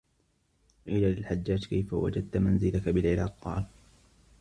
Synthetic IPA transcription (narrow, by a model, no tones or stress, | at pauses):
ʔiːlalɪlħad͡ʒːaːd͡ʒkajfawa̰d͡ʒad̪̚t̪amanzɪlakabɪlʕɪɾɑːqqɑ̰ːl